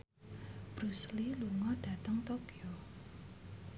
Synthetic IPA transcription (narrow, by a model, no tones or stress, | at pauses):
b̥ɾusliluŋɔɖ̥at̪əŋt̪okio